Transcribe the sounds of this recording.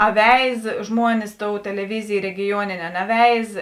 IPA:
ɐ ʋʲɛɪs ˈʒmuɔnʲɪs ˈtoːʊ tʲɛlʲɛˈʋʲɪzʲeːj rʲɛɡʲɪˈjuɔnʲeːnʲeː ɐ nʲɛˈʋʲɛɪs

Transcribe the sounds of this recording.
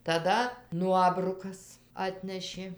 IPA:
tɐˈdɐ ˈnuɔbrʊkɐs ˈɑːtʲnʲɛʃʲeː

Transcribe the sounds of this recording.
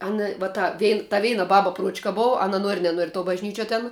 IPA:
ˈɑːnɐ ʋɐ ˈtɐ ˈʋʲɛɪn tɐ ˈʋʲɛɪnɐ ˈbɑːbɐ ˈpruɔt͡ʃkɐ ˈboːw ˈɑːnɐ ˈnuɔrʲɪ nʲɛˈnuɔrʲɪ tuɔ bɐʒʲˈnʲiːt͡ʃʲuɔ tʲɛn

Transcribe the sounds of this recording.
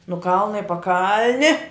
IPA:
nʊ ˈkɐlˠnɐ ɪ pɐˈkɐlʲnʲɪ

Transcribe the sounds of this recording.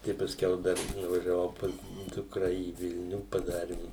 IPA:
ˈtɐɪ pɐˈsʲkʲɛʊ ˈdɐr nʊʋɐʒʲɛˈʋɐʊ ˈpɐs ˈdʊkrɐ iː ˈʋʲɪlʲnʲʊ pɐˈdɑːrʲɪm

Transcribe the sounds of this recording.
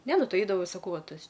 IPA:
ˈnʲɛ ˈnʊ ˈtɐɪ ˈɛɪdɐʋoː sɐˈkɐʊ ˈʋɐ ˈtɐs

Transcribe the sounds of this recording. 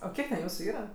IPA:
oː ˈkʲiɛk tʲɛn ˈjuːsʊ ˈiːrɐ

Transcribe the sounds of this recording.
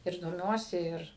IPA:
ɪr doːˈmʲuɔsʲɪ ˈɪr

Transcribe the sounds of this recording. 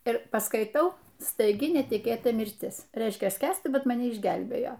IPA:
ɪr pɐskɐɪˈtɐʊ stɐɪˈɡʲɪ nʲɛtʲɪˈkʲeːtɐ mʲɪrʲˈtʲɪs ˈrʲɛɪʃʲkʲɛ ˈsʲkʲæːsʲtʲɪ ˈbʲɛt mɐˈnʲɛ ɪʒʲˈɡʲɛlʲbʲeːjoː

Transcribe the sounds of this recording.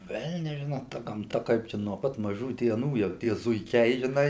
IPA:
ˈʋʲɛlʲnʲɛs ˈʒʲɪnoː tɐ ɡɐmˈtɐ ˈkɐɪp t͡ʃʲɛ nuɔ ˈpɐt mɐˈʒuː dʲiɛˈnuː jɛʊ ˈtʲiɛ zʊɪˈkʲɛɪ ʒʲɪˈnɐɪ

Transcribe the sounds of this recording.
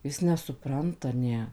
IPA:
ˈjɪs nʲɛsʊˈprɐntɐ ˈnʲɛ

